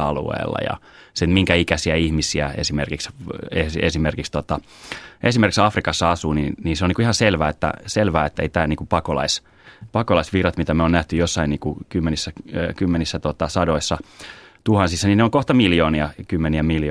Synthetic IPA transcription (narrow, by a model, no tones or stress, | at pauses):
ɑlṵḛːlːɑ̰jɑ̰ | semiŋkæikæsiæihmisiæḛsimerkiksesḛsimerkikst̪ot̪ɑ | ʔesimerkiksɑfrikɑsːɑɑsuːninniːnseoniːkuihɑselʋæːet̪ːæ̰selʋæːet̪ːḛit̪æːniːŋkupɑkolɑ̰is | pɑkolɑisʋirɑt̪mit̪æmeonæht̪yjosːɑiniːkukymːenisːækymːenisːæt̪ot̪ɑsɑdoisːɑt̪uhɑnsisːɑnineoŋkoht̪ɑmiljoːniɑkymːeniæmilj